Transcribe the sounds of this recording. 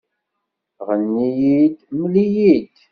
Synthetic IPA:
ʁənːijid̪məlijid̪

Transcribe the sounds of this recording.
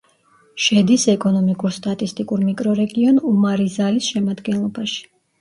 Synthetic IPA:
ʃɛd̪isɛkʼɔnɔmikʼuɾst̪ʼat̪ʼist̪ʼikʼuɾmikʼɾɔɾɛɡiɔnumaɾizalisʃɛmad̪ɡɛnlˠɔbaʃi̥

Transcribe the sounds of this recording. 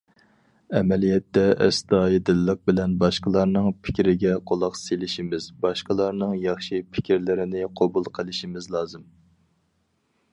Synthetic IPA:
ɛmɛlijɛt̪ːɛʔɛ̰st̪ɑːjid̪ɨlːəq̚bɪlɛnbɑʃqəlˠɑɾnɨŋpʰɪ̥kʲɾɪɡʲɛqʰolˠɑqselɪʃimɪzbɑʃqəlˠɑɾnɨŋjɑχʃipʰɪ̥kʲiɾlɪɾɪnɪqʰobulˠqʰəlˠɪʃimɪzlˠɑːzɨm

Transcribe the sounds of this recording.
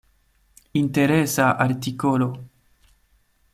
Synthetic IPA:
int̪eɾesaʔaɾt̪ikolo

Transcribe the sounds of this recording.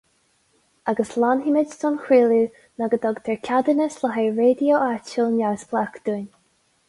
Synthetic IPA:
aɡəslanɦimɪdsɔnxiːlu | naɡəd̪ɔɡt̪ʰɛɹkʰʲad̪ənəslaɦajɹeːd̪ioʔat͡ʃəlˠnasblakd̪̥un

